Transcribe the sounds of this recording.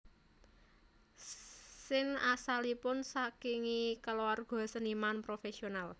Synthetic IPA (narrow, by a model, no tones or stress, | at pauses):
sɪŋasalipʊnsakiŋikəlowarɡ̥ɔ̤sənimanpɾofesional